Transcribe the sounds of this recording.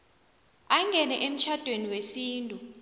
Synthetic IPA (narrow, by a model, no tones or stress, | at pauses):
aŋʱɛnɛʔem̩t͡ʃʰad̥ʱweniwesiːntʼu